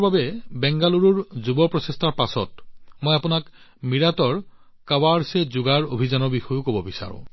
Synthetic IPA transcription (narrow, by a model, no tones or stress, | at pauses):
babɛbɛŋɡaluɹuɹzubɔpɹɔsɛstʰaɹpasɔ̰tmojapʊnak | miɹatɔɹ | kawaɹsɛzʊɡaɹo̰bʱizanɔbixɔjʊkobɔbisa̰ɹʊ̰̃